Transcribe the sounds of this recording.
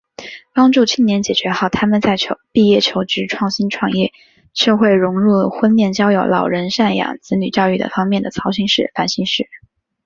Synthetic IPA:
pɑ˥ŋʈ͡ʂu˥˩t͡ɕʰy˥˩ŋnjɛ˧˥nt͡ɕjɛ˨˩t͡ɕɥɛ˧˥xɑ˨˩ʊt̪ʰa˥mə˨nt͡sa˥˩ɪt͡ɕʰjo˧˥ʊpi˥˧jɛ˥˩t͡ɕʰjo˧˥ʊʈ͡ʂɻ̩˧˥ʈ͡ʂʰwɑ˥˩ŋɕi˥nʈ͡ʂʰwɑ˨˩ŋjɛ˥˩ | ʂɤ˥˧xwe˥˩ɪɻʊ˧˥ŋɻu˥˩xwə˥nljɛ˥˩nt͡ɕjɑ˥ʊjo̰˨˧˥ʊlɑ˨˩ʊɻə˧˥nʂa˥˩njɑ̰˨˩ŋt͡sɹ̩˧˥ny˨˩t͡ɕjɑ˥˧ʊy˥˩ə̰˩fɑ˥ŋmjɛ˥˩nd̪ə˩t͡sʰɑ˧˥ʊɕi˧˥nʂɻ̩˥˩fa˥nɕi˥nʂɻ̩˥˩

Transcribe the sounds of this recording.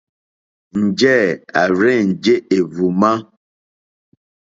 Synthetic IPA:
n̩˨d͡ʒɛ˦˨a˨ɾɛ˦˨n̩˨d͡ʒe˦ʔe˨vu˨ma˦

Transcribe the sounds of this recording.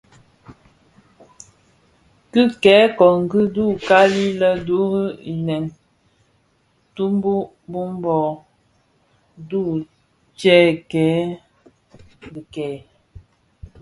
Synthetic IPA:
kɨ˦kɛː˨˦kɔ˨ŋ̩˨ɡi˦du˦˨ka˦li˦lə˦du˦ɣi˦i˨nɛ˨ŋ | tu˦mbu˦ | bu˦m˦bɔ˨ | du˦˨ | t͡ʃɛ˦kɛː˨˦ | bi˨kɛː˨˦

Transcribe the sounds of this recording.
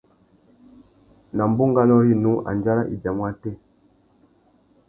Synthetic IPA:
na˨mbu˦ŋɡa˦lɔ˦hi˦nu˦ʔa̰˨nd͡ʒa˦la˦ʔḭ˨ba˨mwa˦tɛ˦˨

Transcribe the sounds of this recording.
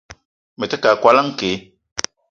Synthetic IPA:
mɛ˨tɛ˦ka˨kwa˦la˦ŋ̩˦ke˨˦

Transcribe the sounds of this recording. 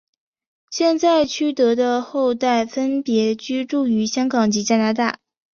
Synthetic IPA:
ɕjɛ˥˧nt͡sa˥˩ɪt͡ɕʰy˥t̪ɤ˧˥d̪ə˧xo˥˧ʊt̪a˥˩ɪfə˥npjɛ˧˥t͡ɕy˥ʈ͡ʂu˥˩y˧˥ɕjɑ˥ŋkɑ˨˩ŋt͡ɕi˧˥t͡ɕja˥na˧˥t̪̬a˥˩

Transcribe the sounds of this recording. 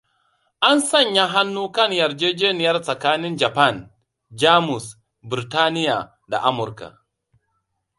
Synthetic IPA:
ʔa˦nsɐ˦˨ɲja˦ɦa˦nːuː˦kɐ˦˨ɲjɐ˨ɾd͡ʒeː˦d͡ʒeː˦nɪ˨jɐ˦rsɐ˨kaː˦nɪ˦nd͡ʒa˨pa˦˨n | d͡ʒaː˦mʊ˨s | bɪ˨ɾi˨taː˦nɪ˦ja˨ | da̰˨ʔa˦mʊ˨ɾka̰˨

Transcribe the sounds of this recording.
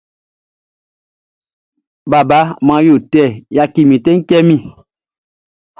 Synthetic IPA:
ba˨ba˨˦mã˧˦jo˨tɛ˦˨ja˧ki˨mĩ˨tɛ̃˦ŋ̩˦kɛ˦mĩ˨

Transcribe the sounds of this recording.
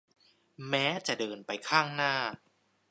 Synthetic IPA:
mɛː˦˥t͡ɕa˨˩dɤː˧npa˧jkʰaː˥˩ŋnaː˥˩

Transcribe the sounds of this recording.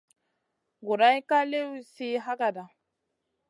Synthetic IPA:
ɡu˨ɾa˦jka˦le˦wu˦si˦ɦa˦ɡa˨da˨

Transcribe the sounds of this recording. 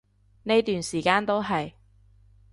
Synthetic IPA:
ne˥jt̪yː˨nsiː˨˩kaː˥nt̪o˥wɦɐ˨j

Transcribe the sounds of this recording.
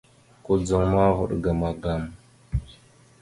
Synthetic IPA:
ku˦d͡zə˦ŋma˦vṵ˨ɗɡa˨ma˨ɡa˦m

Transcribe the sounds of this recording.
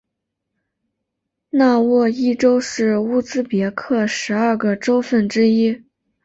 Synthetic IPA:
na˥˧wɔ˥˧i˥˩ʈ͡ʂo˥ʊʂɻ̩˥˩u˥˩t͡sɹ̩˥pjɛ˧˥kʰɤ˥˩ʂɻ̩˧˥ɐ˥˧ɡə˩ʈ͡ʂo˥ʊfə˥˩nʈ͡ʂɻ̩˥i˥

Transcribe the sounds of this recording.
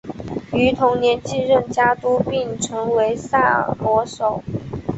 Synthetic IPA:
y˧˥t̪ʰʊ˧˥ŋnjɛ˧˥nt͡ɕi˥˧ɻə˥˩nt͡ɕja˥t̪u˥pi˥˩ŋʈ͡ʂʰɤ˧˥ŋwe˧˥ɪsa̰˥˩pwɔ˧˥ʂo˨˩˦ʊ

